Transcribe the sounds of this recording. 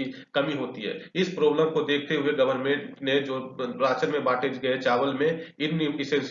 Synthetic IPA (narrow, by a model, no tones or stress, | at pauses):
i | kɐmiɦoːt̪iɦɛ̰ːɪspɾoːbləmkod̪eːk̚ʰt̪eɦueɡɐʋəɾnmẽʈnẽːd͡ʒoːɾaːt͡ʃəɾmẽbaːʈed͡ʒɡɐet͡ʃaːʋəlmẽɪnnɪsɛ̃ːns